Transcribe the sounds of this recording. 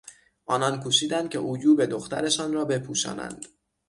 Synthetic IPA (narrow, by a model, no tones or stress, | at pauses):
ʔɒːnɒnkʰuʃiːd̪ænd̪̚cʰʲe̞ʔujuːbe̞d̪oxt̪æ̰ɾe̞ʃɒːnrɒːbe̞pʰuːʃɒ̰ːnæ̰nd̪̥